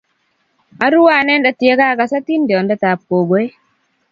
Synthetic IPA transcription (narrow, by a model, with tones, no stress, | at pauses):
a˦ɾu˦wa˦˨nɛ˦nda˨tje˦ka˦˨ka˨sa˦ti˦ndjɔ˨ndɛ˦ta˨p̚ko˨ɡo˦e˦